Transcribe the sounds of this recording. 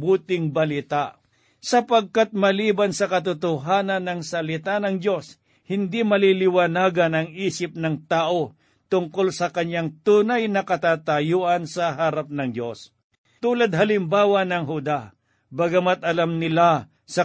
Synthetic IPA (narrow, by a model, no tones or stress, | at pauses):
buːt̪ɪŋbɐlɪt̪aʔ | sɐpɐɡ̚kat̪̚mɐliːbɐnsɐkɐt̪̬ʊt̪ʊɦaːnɐnːɐŋsɐlɪt̪anɐŋd͡ʒo̞s | hɪnd̪imɐlilɪwɐnaːɡɐnɐŋiːsɪp̚nɐŋt̪aːʔo̞ | t̪ʊŋkolsɐkɐɲːaŋt̪uːnɐjnɐkɐt̪aːt̪ɐjuːʔɐnsɐɦaːɾap̚nɐŋd͡ʒo̞s | t̪uːlad̪̚hɐlɪmbaːwɐnɐŋɦʊd̪a | bɐɡɐmat̪̚ɐlamnɪla | sɐ